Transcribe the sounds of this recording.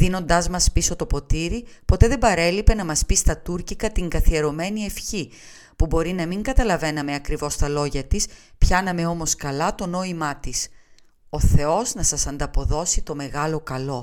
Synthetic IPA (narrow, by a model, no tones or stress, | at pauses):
ðino̞nd̪ɐzmɐspiso̞t̪o̞po̞t̪iɾipo̞t̪e̞ðe̞bɐɾe̞lipe̞nɐmɐspist̪ɐt̪uɾcikɐt̪iŋɡɐθie̞ɾo̞me̞nie̞fçi | pubo̞ɾinɐmiŋɡɐt̪ɐlɐve̞nɐme̞ɐkɾivo̞st̪ɐlo̞ʝɐt̪is | pçɐnɐme̞o̞mo̞skɐlɐt̪o̞no̞imɐt̪is | o̞θe̞o̞znɐsɐsɐnd̪ɐpo̞ðo̞sit̪o̞me̞ɣɐlo̞kɐlo̞